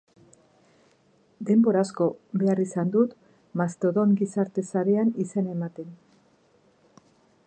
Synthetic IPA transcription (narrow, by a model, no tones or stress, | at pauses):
d̪e̞mbo̞ɾasko̞βe̞arisand̪ut̪ | mast̪o̞ðo̞ŋɡisaɾt̪e̞saɾe̞anise̞ne̞mat̪e̞n